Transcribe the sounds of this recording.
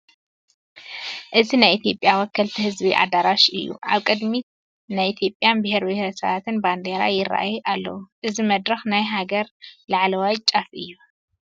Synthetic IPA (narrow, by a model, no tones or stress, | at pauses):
ʔɨzinajʔit̪ʰijo̞pʼjawɔkʰːɐlt̪ʰihɨzbiʔa̰d̪aɾaʃʔɨjːṵʕaβkʼɨd̪mi | najit̪ʰijo̞pʼːjanbɨheɾbɨhɾsɐβat̪ʰɨnband̪eɾa̰jɪɾa̰ʔjʔalːɐ̰wuʔɨzimɐd̪ɾɐxnajɦaɡɐɾlaʕlɐwajt͡ʃʼafʔɨjːu